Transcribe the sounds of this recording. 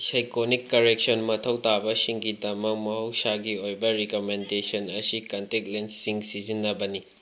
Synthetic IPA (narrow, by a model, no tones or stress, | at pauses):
sajkonikːɐɾek̚sonmɐtʰɐwtabɐsiŋɡidɐmɐk̚mɐɦɐwsaɡiojbɐɾikomendesɐnɐsikɐnteklensiŋsizinːɐbɐni